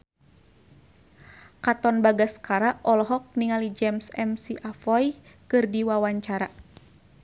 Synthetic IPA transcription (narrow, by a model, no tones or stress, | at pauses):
kat̪ɔnbaɡaskaɾaʔɔlɔɦɔk̚niŋalid͡ʒɛmsɛ̰msiʔafɔj | kɨrdiwawaɲt͡ʃaɾa